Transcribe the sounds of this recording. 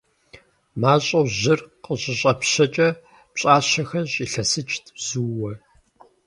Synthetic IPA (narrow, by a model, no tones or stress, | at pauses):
maːɕʼɐwʑɪrqəʑʼɪɕʼɐpɕɐt͡ʃʼɐ | pɕʼaːɕɐxɐʑiɬɐsɨt͡ʃʰʼtʰz̥uːwɐ